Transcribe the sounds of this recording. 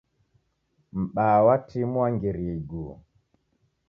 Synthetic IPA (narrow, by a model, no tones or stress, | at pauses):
m̩ɓawatʰimuaŋɡiɾiɡṵ